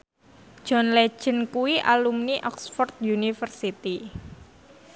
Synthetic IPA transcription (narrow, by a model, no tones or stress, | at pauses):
d͡ʒ̥ɔnle̥ʒ̥ə̤nkuwiʔa̰lumniʔɔksfɔrt̪̚junifərsit̪i